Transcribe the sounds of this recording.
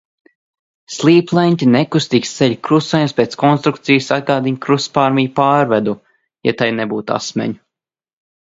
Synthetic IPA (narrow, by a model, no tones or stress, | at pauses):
slˠiːplˠɛnʲt̪ʲinɛkust̪iːkst̪sɛʎʲkɾusajumspʲeːt̪skɔnst̪ɾuk̚t̪sijsad̪̚ɡaːd̪iɲkɾuspaːɾmʲijpaːɾvɛd̪u | ja̰t̪ajnɛbuːt̪a̰smɛ̰ɲu